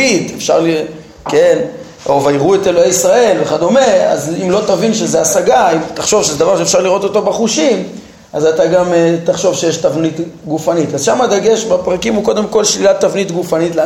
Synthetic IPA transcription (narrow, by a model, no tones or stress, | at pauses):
it̪efʃa̰ʁli | ken | o̞vajʁuete̞loejisʁae̞lveχad̪o̞me̞a̰zimlo̞t̪avinʃezeasaɡaimt̪aχʃo̞vʃezed̪avaʁʃeːfʃaʁliʁo̞t̪o̞to̞beχuʃim | azat̪aɡamt̪aχʃo̞vʃejeʃtavnit̪ɡufanitazʃamad̪aɡe̞ʃbepʁakimuko̞d̪e̞mko̞lʃlilat̪ːavnitɡufanitl